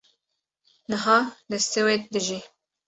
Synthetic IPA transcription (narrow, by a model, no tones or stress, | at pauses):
nəɦɑːd̪ɛst̪ewet̪̚d̪ɨʒi